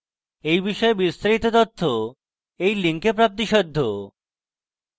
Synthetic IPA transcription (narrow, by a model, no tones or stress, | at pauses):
ejbiʃɔebist̪aɾit̪ot̪ot̪ʰːo | ejliŋkepɾap̚t̪̬iʃɔd̪ʱːo